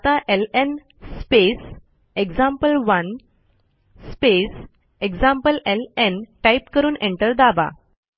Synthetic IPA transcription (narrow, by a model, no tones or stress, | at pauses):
t̪ãʔelen | spes | eɡd͡zãmpəlʋən | spes | eɡsãmpəlelenʈaipkəɾuːnẽɳʈəɾd̪aba̰